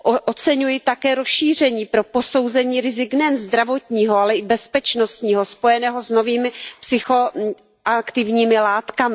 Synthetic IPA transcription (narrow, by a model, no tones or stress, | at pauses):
oʔot͡sɛɲujɪt̪akɛːɾosʃiːr̝ɛɲiːpɾo̞po̞so̞wzɛɲiːɾɪzɪknɛjɛnzd̪ɾavo̞t̪ɲiːɦoalɛɪbɛspɛt͡ʃno̞st̪ɲiːɦo̞spo̞jɛnɛːɦozno̞viːmɪpsɪxo̞ | ʔakt̪ɪvɲiːmɪlaːt̪kamɪ